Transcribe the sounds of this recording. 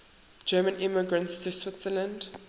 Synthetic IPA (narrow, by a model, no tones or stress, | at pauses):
d͡ʒɜːmə̃nɪməɡɹə̃ntstʰuswɪtsələ̃nd